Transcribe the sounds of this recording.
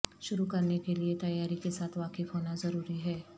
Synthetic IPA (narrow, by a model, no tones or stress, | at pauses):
ʃʊɾukɐɾnekeliet̪ɐjaːɾikesaːt̪ʰʋaːkɪfɦoːnazɐɾuːɾiɦɛː